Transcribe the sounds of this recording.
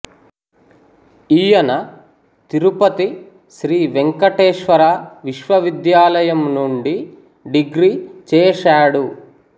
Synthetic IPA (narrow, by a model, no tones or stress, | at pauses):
ijɐnɐ | t̪iɾupɐt̪i | ʃɾiːʋeŋkɐʈeːʃʋɐɾaːʋiʃʋɐʋid̪jaːlɐjɐmnuɳɖi | ɖiɡɾiːt͡ʃɛːʃaːɽu